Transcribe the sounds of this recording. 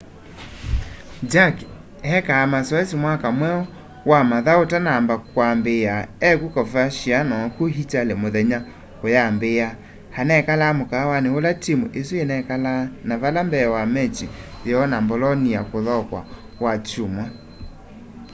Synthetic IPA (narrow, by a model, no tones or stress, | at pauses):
d͡ʒak | ɛkaːmasɔɛsimwakamwɛɔ | wamaðaotanaːmbakwambejaɛkukɔfaʃianɔkuɦit͡ʃalemoðɛɲa | ojambeja | hanɛkalamokawaneolatimuʔesuenɛkalanavalambɛwamɛt͡ʃiɔnambolɔniakoðɔkwa̰ | wat͡ʃuma